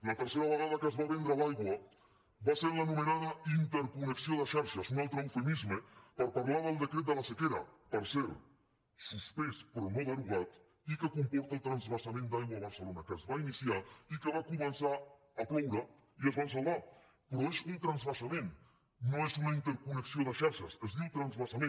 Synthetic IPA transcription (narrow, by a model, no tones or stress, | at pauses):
lɐt̪əɾseɾɐβəɣað̞ɐkəzβaβend̪ɾalajɣwɐ | baseɾlanumenaðɐint̪əɾkuneksioðəʃaɾʃasunalˠt̪ɾəwfemizmepəɾpaɾlaɾðəlˠd̪əkɾet̪̚d̪əlasekeɾɐ̰pəɾseɾ | suspespɾonoðəɾuɣat̪ | ikəkumpɔɾt̪aəlˠt̪ɾanzβasamẽnd̪ajɣwaβɐɾsəlonakəzβainisiaikəβakumənsaː | plɔwɾa | iəzβansalˠβa | pɾɔesunt̪ɾanzβasamẽn | noezunaint̪əɾkunəksioðəʃaɾʃɐsəzðiwt̪ɾanzβasamẽn